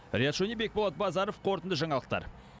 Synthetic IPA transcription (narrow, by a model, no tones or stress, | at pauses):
ɾʲijat̪ʃonibek̚bolˠɑt̪̚bɑzɑɾofqʰo̞ɾt̪ənd̪əʒɑɴɑlˠəq̚t̪ɑ̰ɾ